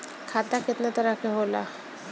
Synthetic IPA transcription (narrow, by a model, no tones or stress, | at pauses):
kʰat̪akʰet̪nat̪oɾakʰeɦola̰